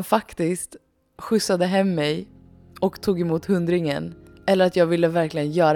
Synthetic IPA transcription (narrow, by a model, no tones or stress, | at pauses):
nfakt̪ɪst̪ | ɧʏsːad̪əɦɛmːɛj | ɔkt̪ʰuːɡɛmuːt̪hɵnd̪ɾɪŋə̰n | ɛlːəɾat̪jɑːɡvɪl̪ːəvæɾklɪɡənjœːɾ